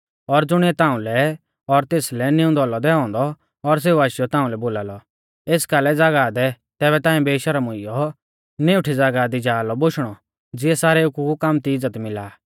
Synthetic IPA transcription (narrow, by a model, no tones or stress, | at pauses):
ɔɾd͡zʊɽ̃ɛt̪ãːũlɛ | ɔɾt̪eːslɛnɪũnd̪ɔːlɔd̪ɛɔ̃ːnd̪ɔː | ɾs̬eːuaːʃɪjɔt̪ãːũlɛboːlaːlɔ | eːskaːlɛd͡zaɡaːd̪ɛ | t̪ɛːβɛt̪ãːĩbeːʃaɾamʊ̃ɪjɔ | neʊʈʰid͡zaɡad̪id͡ʒaːlɔboʃɽ̃ɔ | d͡zɪɛsaːɾɛʊkukamt̪iɪd͡zːət̪mɪlaː